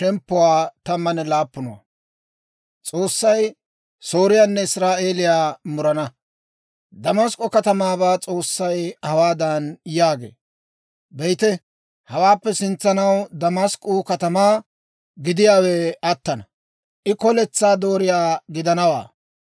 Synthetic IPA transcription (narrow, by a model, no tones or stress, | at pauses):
ʃɛmpːʊwaːt̪ɐmːɐnɛlaːpːʊnɐwa̰ | t͡sʼo̞ːsːɐj | so̞ːɾɪjaːnːɛɪsɾaːʔe̞ːlɪjaːmʊɾɐnɐ | d̪ɐmɐskʼːʊkɐt̪ɐmaːbaːt͡sʼo̞ːsːɐjhɐwaːd̪ɐnjaːɡḛː | bɛjt̪ɛ | hɐwaːpːɛsɪnt͡sːɐnɐwd̪ɐmɐskʼːʊkɐt̪ɐmaː | ɡɪd̪ɪjaːwɛɐt̪ːɐnɐ | ʔɪkɔlɛt͡sːaːd̪o̞ːɾɪjaːɡɪd̪ɐnɐwa̰ː